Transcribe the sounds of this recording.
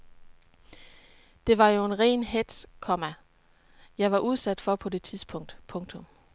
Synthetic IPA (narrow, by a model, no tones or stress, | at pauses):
d̥e̝ʋɑ̈jo̝e̝nʁɛ̰ːnɦed̥skʰɒmæ | jɑ̈ɪʋɑ̈ʔuð̞ˠsæd̥fɒ̽pʰɒ̽de̝t͡sʰiðˠsb̥ʰɔ̽ŋ̰d̥pʰɔ̽ŋt͡sʰɔ̽m